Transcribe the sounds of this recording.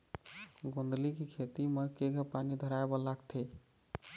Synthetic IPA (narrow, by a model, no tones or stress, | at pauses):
ɡõnd̪likekʰet̪imɛkeɡʱəpanid̪ʱəɾaebɔlakt̪ʰe